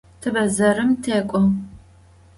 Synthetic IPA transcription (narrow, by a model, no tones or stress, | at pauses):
tʰɐbɐzɐrɨmtʰeːkʷʼɔ